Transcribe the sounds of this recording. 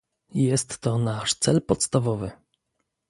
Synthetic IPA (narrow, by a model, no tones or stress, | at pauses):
jjɛst̪ːɔnaʂt̪sɛlpɔt̪st̪avɔvɘ